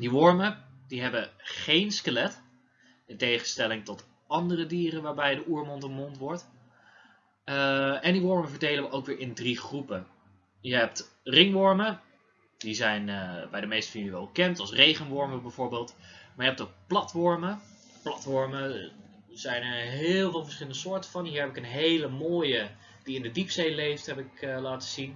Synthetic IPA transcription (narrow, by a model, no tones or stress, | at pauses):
diʋɔɹmədiɦɛbəχejnskəlɛt | ɪntejχənstɛlɪŋtɔt | ɑndərədiːrənʋaːɹbɛjdəʔuːɹmɔntəmɔntʋɔɹt | ɛndiʋɔɹməvəɹdejləʋəʔowkʋɪːɹɪndriχrupə | jəɦɛp̚trɪŋʋɔɹmə | dizɛjnəbɛjdəmejstə̥fiəʋɛlˠbəkɛntɑlˠsrejχənʋɔɹməbɛjvoːɹbeːlˠtmaːɹjəɦɛp̚tok̚plɑtʋɔɹmə | plɑtʋɔɹmə | zɛjnəɦɪːlˠvɪːlˠvəɹsχɪləndəsʊːɹtəvɑnɦiːɹɦɛpɪkənɦejləmoːjə | d̥iɪndədipsejlejftɦɛpɪklaːtə̥z̥in